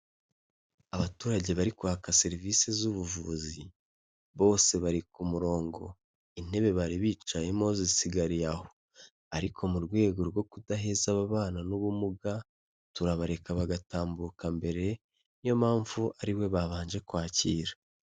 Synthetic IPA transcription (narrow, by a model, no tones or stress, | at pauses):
aβatuːɾaɟe̞βaɾikuhakase̞ɾiviːsezuβuvuzi | βo̞ːse̞βaɾikumuɾo̞ːŋɡo̞ | in̥e̞βe̞βaɾiβiːt͡ʃaje̞mo̞zisiɡaɾijaho̞̥ | aɾikʰo̞muɾɡwe̞ːɡo̞ɾɡo̞kudaɦe̞zaβaβaːnanuβumuɡa | tuɾaβaɾe̞kaβaɡataːmbukambe̞ɾe̞ | jo̞maːɱvuʔaɾiwe̞βaβaːnʒe̞kwaːciːɾḁ